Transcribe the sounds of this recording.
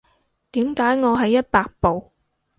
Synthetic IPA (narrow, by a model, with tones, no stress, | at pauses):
t̪iː˨˥mkaː˨˥jŋɔː˨˧ɦɐ˨jːɐ˥t̚paː˧k̚po˨w